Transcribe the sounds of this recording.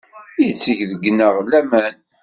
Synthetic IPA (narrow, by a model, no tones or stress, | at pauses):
jət͡sːəçðəɡːnəʁlæmæn